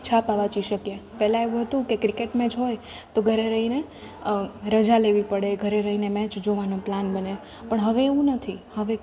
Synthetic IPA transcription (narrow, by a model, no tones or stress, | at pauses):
t͡ʃʰapaʋat͡ʃiʃəkjepɛɦlãeʋũɦət̪ũkekɾikeʈmɛ̃d͡ʒɦoj | t̪oɡʱəɾeɾəɦine | ɾəd͡ʒaleʋipəɽeɡʱəɾeɾəɦinemɛ̃t͡ʃd͡ʒoʋanõplanbəne | pəɳɦəʋeːʋũnət̪ʰihəʋe